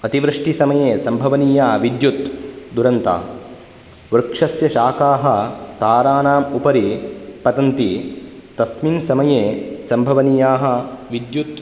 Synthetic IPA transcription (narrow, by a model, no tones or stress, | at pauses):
ɐt̪iʋɾɨʂʈisɐmɐjeːsɐmbʱɐʋɐniːjaːʋid̪jut̪d̪uɾɐnt̪a̰ː | ʋɾɐkʂɐsjɐʃaːkaːɦɐt̪aːɾaːnaːmupɐɾipɐt̪ɐnt̪it̪ɐsminsɐmɐjeːsɐmbʱɐʋɐniːjaːɦɐ̆ʋid̪jut̪